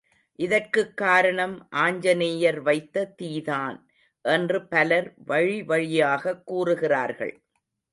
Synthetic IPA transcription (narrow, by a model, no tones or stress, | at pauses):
ʔɪðɐrkɯkːaːɾɐɳɐmʔaːɲd͡ʒɐneːjɐɾʋɐɪt̪ːɐt̪iːðaːn | ʔɛndrɯpɐlɐɾʋɐɻiʋɐɻɪjaːɣɐkːuːrɯɣɪraːɾɣɐ̰ɭ